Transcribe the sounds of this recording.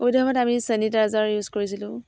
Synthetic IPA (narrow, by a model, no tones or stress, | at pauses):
ojdabɔtamisənitazaɹjuzkoɹis̬ilʊ̃